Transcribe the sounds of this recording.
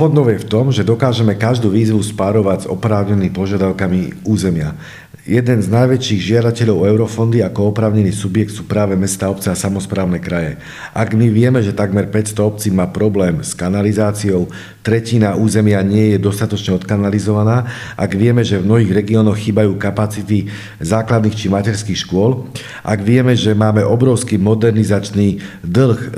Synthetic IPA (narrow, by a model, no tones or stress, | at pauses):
fɔnd̪ɔʊjɛft̪ɔmʒɛd̪ɔkaːʒɛmɛkaʒd̪uːʋiːzʋuspaɾɔʋaɟzɔ̰pɾaːʊɲɛniːmpɔʒɪad̪aʊkamiuːzɛmɪa | jɛd̪ɛnznajʋɛt͡ʃiːɣʒɪad̪acɛʎɔʊɛʊɾɔfɔnd̪iakɔɔpɾaːʊɲɛniːsubjɛk̚t̪suːpɾaːʋɛmɛst̪aːɔp̚t͡sɛasamɔspɾaːʊnɛkɾajɛ | ʔaɡmiʋɪɛmɛʒɛt̪aɡmɛɾpɛcst̪ɔɔp̚t͡siːmaːpɾɔblɛːmskanalizaːt͡siɔʊ | t̪ɾɛcinauːzɛmɪaɲɪɛjɛd̪ɔst̪at̪ɔt͡ʃɲɛɔt̪kanalizɔʋanaː | ʔaɡʋɪɛmɛʒɛvmnɔɦiːɣɾɛɡiɔːnɔxxːiːbajuːkapat͡sit̪i | zaːklad̪niːxt͡ʃimacɛɾskiːxʃkʊɔl | ʔa̰ɡʋɪɛmɛʒɛmaːmɛʔɔbɾɔʊskiːmɔd̪ɛɾnizat͡ʃniːd̪l̩x